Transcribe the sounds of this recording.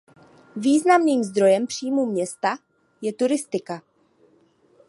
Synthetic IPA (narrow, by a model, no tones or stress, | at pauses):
viːznamniːmzd̪ɾo̞jɛmpr̝̥iːmuːmɲɛst̪a | jɛt̪uɾɪst̪ɪka